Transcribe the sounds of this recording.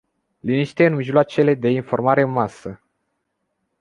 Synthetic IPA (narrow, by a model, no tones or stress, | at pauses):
liniʃt̪e̞ɨnmiʒloat͡ʃe̞le̞d̪e̞info̞rmaɾe̞ɨnmasə